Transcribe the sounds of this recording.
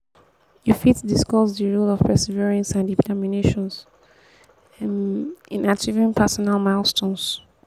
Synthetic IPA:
jufitdiskɔsðəɹulɔv̥pʰɛsiviɹə̃nsãnditʰɛmineʃɔ̃ns | ĩnat͡ʃivĩnpʰɛsɔnalˠmalˠstʰõns

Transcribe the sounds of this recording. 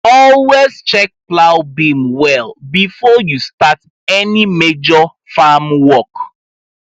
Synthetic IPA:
ɔlwezt͡ʃɛk̚plaʊbĩmwɛlbifɔjustat | ɛnimed͡ʒɔ | famwɔk

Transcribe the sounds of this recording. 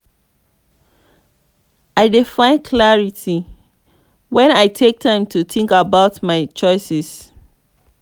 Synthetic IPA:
aɪdifãɪ̃nkʰlaɹitʰi | wɛ̃naɪtʰek̚tʰãɪ̃mtʰuθʰĩŋkabaʊtmaɪt͡ʃɔɪsɛs

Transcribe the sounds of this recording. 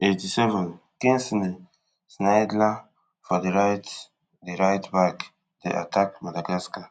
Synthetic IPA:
etisɛvə̃n | kĩnsnde | snajdla | fɔdeɹajt | deɹajtbak | dḛʔa̰tʰak̚madaɡaska

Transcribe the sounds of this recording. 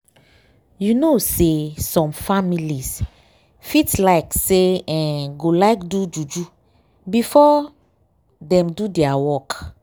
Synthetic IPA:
junosesɔ̃mfamilis | fitlaɪkseɛ̃nɡolaɪkdud͡ʒud͡ʒu | bifɔ | dɛ̃mdudɛawɔk

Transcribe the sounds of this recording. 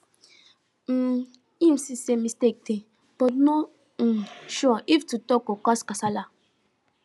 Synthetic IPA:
n̩ | ĩmsisemːistek̚te | b̥ɔtnɔ | ʃɔaʔiftutɔkokaskasala

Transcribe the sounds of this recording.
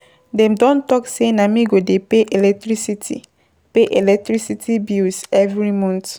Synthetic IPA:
dɛ̃mdɔ̃ntɔksenamĩɡodepeʔelɛk̚tɹisitʰḭ | peʔelɛk̚tɹisitʰibisɛvɹimɔ̃nt

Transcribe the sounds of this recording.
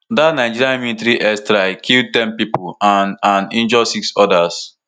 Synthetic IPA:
datnaɪd͡ʒiɾiãnminitɾiʔɛstɾaɪkʰild̚tɛ̃npipoanãnĩnd͡ʒɔsiksɔdas

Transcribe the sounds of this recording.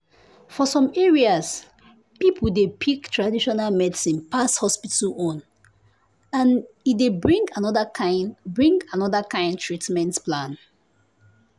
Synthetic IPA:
fɔsɔ̃mɛɹias | pipʰudepʰiktʰɹadiʃɔnalmɛdsĩnpashɔspitəɔ̃n | ãn | itdebɹĩŋɡanɔdəanbɹĩŋɡanɔðakãɪ̃ntʰɹitmɛ̃ntplãn

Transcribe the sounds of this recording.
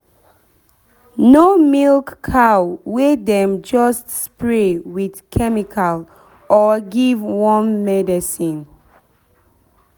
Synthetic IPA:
nomilkːʰawwedɛ̃md͡ʒɔstspɹewidkʰɛmikʰal | ʔɔɡivwɔ̃nːɛdisĩn

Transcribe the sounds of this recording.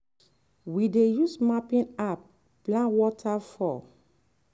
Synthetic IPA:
widejusmapĩnap̚ː | lãnwɔtʰafɔ

